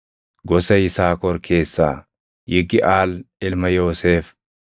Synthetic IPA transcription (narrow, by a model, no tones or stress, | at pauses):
ɡɔsɐɪsaːkɔɾkʰe̞ːsːa̰ː | jɪɡɪʔaːlɪlmɐjoːseːf